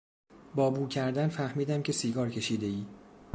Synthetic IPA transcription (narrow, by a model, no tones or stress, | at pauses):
bɒːbuːcʰæɾd̪ænfæhmiːd̪æmcʲʰe̞siːɡɒːɾcʰe̞ʃiːd̪e̞iː